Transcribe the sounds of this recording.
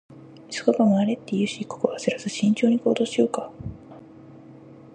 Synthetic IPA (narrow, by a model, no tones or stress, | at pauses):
isɨ̥kokamoaɾe̞t̪ːe̞jɯ̟ːɕikokoβazeɾasɨɕĩɲ̟t͡ɕo̞ːɲ̟iko̞ːd̪o̞ːɕijo̞ːka